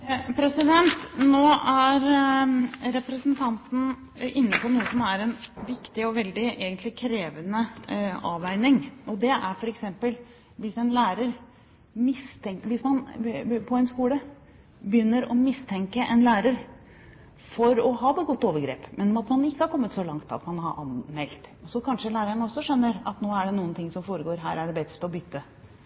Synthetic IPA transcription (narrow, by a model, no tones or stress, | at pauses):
pʰɾɛsɪd̪ɛnt̪noːæɾ | ɾɛpɾɛsənt̪ʰɑnt̪n̩ | ɪnːəpʰɔnuːəsɔmæɾɛnʋɪkt̪ɪɔʋɛld̪ɪʔeːɡənt̪lɪkʰɾeːʋənəɑːʋæɪnɪŋʔɔd̪ɛʔæɾfɔɾɛksɛmpəl | ʋɪsɛnlæːɾəɾ | mɪst̪ʰɛŋʋɪsmɑnpʰɔɛnskuːlə | bəjʏnːəɾɔmɪst̪ʰɛŋkəʔɛnlæːɾəɾ | fɔɾɔhɑːd̪ɛɡɔt̪ːoːʋəɾɡɾḛːpmɛnmɑt̪mɑnɪkːəhɑɾkʰɔmːət̪sɔlɑŋt̪ɑ̰t̪mɑnhɑʔɑ̰nmɛlt̪ɔsɔkʰɑnʂəlæːɾəəɳɔsːɔʂœnːəɾɑ̰t̪noːæɖɛnuːənt̪ʰɪŋsɔmfoːɾəɡoːɾɦæːɾæɖɛbɛt̪st̪ɔbʏt̪ːə